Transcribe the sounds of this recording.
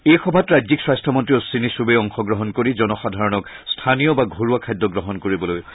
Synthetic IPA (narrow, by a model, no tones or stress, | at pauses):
ejxɔbʱatɹajzikswastʰɔmɔntɹiɔsinisubeɔŋxɔɡɹɔɦɔnkoɹizɔnɔxadʱaɹɔnɔkstʰanijɔbaɡʱoɹuakʰajdɔɡɹɔɦɔnkoɹibɔloj